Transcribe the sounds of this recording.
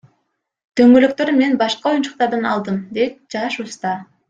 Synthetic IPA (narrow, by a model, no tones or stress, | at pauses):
t̪ʰøŋɡøløk̚t̪ø̞ɾme̞nbɑʃqɑo̞junt͡ʃu̥q̚t̪ɑɾd̪ɑnɑlˠd̪ɯmd̪e̞t̪̚d͡ʒɑʃust̪ɑ